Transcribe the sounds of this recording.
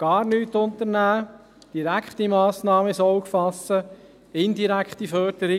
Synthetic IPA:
ɡ̥ɑːɾnyːtʊnt̪əɾnæː | d̥iɾækχtimɑːsnɑːməɪsowkfɑsːə | ɪndiɾækχtifœɾd̥əɾi

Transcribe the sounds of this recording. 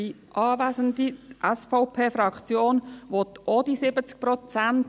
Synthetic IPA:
i | ʔɑːvæzənd̪iʔɛsfɔʊpʰeːfɾɑkt͡sjoːnʋot̪od̥̪isɪbət͡sk̚prɔt͡sænt

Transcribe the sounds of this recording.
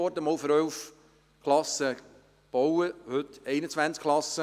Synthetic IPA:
ɔɾdəmoːlfəɾœlf | kʰlɑsə | b̥owəhʏtɛɪnət͡svʋænt͡skʰlɑsə

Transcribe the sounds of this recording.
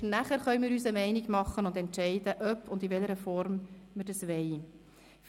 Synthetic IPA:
næχəɾχœʏmɪːɾyːsəmɛɪniɡmɑχːənʊndɛntʃɛɪdəʔœpʰːʊndivɛləɾəfɔɾmməɾdɑsʋɛɪ | f

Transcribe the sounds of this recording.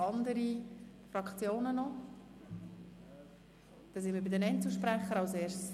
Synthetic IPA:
ɑnd̪əɾi | frɑkt͡sjoːnənɔ | d̥ɑsɪnməbɪdɛnɛnt͡səʃpɾɛχːəɾɑlseːɾs

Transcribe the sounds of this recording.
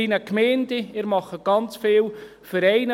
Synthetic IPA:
inəkmɛːndeɪːɾmɑχəɡ̥ɑnt͡sfeːl | fəɾɛɪnə

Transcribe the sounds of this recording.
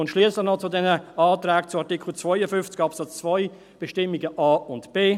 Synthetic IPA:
ʊntʃliəslɪχnɔt͡sʊdɛnəaːtɾɛːk̚t͡sʊɑʁtɪkʰl̩t͡svɔɪəfʏnft͡sɡ̥ɑpsɑt͡st͡svɔɪ | b̥ɛʃtɪmiɡəʔɑːʊntb̥eː

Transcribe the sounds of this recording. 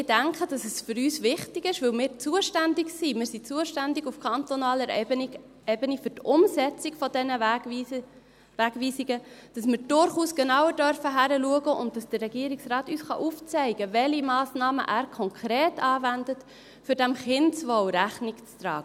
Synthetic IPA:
ɪdæŋkχəd̥ɑsɛsfʏɾyːsʋɪχtɪɡɪʃʋɵlmɪːɾt͡suəʃtændɪksiːmɪːɾsit͡suəʃtændɪɡufkʰɑnt̪ɔnɑːləɾ | ɛbənifʏɾtʊmsɛt͡siɡfɔdɛnə | ʋæɡviːsɪɡəd̥ɑsmɪːɾd̥ʊɾχuːsɡ̥ɛnɑwəɾdœɾfəɦæɾəluəɡəʔʊ̰nt̚d̥ɑsd̥ərɛɡiəɾiksrɑːtyːsχɑ̰ʔuft͡sɛɪɡəvɛlimɑːsnɑːmə̰ʔæːɾkʰɔŋkʰχɾeːtɑːvændət | fʏɾd̥æmχɪnsʋɔwɾæχnɪkt͡st̪ɾɑ̰ːɡ̥ə

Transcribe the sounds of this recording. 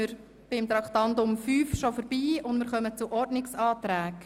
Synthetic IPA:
ɪɾ | b̥ɪmt̪ɾɑkt̪ɑndʊmfyːfʃofəɾb̥iːʊndmɪɾχœmət͡suʔɔɾdnɪksɑːtɾæːk

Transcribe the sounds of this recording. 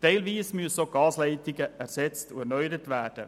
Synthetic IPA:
d̥eɪlʋiːsmysoɡ̥ɑːsleɪt̪ɪɡəʔæɾsɛt͡st̪oænœʏdətʋæːd̥ə̰

